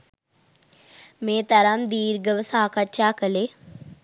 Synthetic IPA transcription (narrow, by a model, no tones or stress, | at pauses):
meːt̪ɐɾamd̪iːɾɡɐʋɐsaːkɐʃaːkɐle